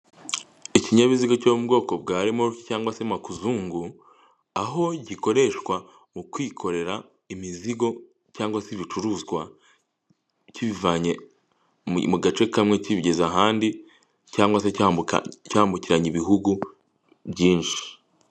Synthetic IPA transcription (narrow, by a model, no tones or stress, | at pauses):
iciɲaβiziɡo̞comubɡo̞ːko̞bɡaːɾimoɾuci̥caːŋɡwase̞makuzuːŋɡu | aɦo̞ɟiko̞ɾe̞ʃkwa | mukwiːkʰo̞ɾe̞ɾa | imiziɡo̞ | caːŋɡwasiβit͡ʃuɾuːzɡwa | ciβivaɲe | muɡat͡ʃe̞kamŋe̞ciβiɟezaɦaːndi | caːŋɡwasḛ | caːmbuciɾaɲiβiɦuɡu | bɟiːnʃi̥